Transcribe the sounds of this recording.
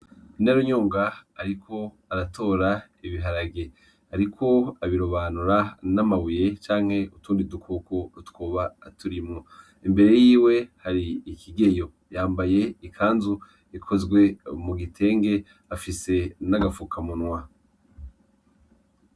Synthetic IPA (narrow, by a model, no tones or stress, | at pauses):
naɾoɲoːŋɡaaɾikʰo̞ | aɾato̞ːɾa | iβiɦaɾaɡe | aɾikʰo̞aβiɾoβaːnuɾanamaβuje̞t͡ʃaːŋ̥he̞ʔutuːndidukʰokoɾutwoːβaːtʰuɾimŋo | imbe̞ɾejiːwe̞haɾiːkʰiɡe̞jo̞ | jaːmbaje̞ikʰaːnzu | ikʰo̞zɡwe̞muɡitʰe̞ːŋɡe̞ | afise̞naɡafukʰamunwa